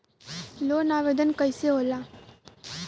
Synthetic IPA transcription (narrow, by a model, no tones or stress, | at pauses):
loːnaʋed̪ənkəjseɦoːlaː